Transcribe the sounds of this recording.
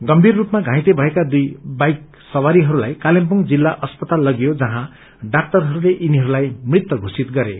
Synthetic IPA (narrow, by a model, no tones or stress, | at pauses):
ɡʌmbʱirːupmaɡʱãj̃t̪ebʱʌekad̪ujbajk̚ | sʌwaɾiɦʌɾulajkalempuŋd͡zilːaʔʌspʌt̪alːʌɡjod͡zʌɦã | ɖak̚ʈʌrɦʌɾuleʔiniɦʌɾulajmrit̪ːwʌɡʱosit̪ɡʌɾe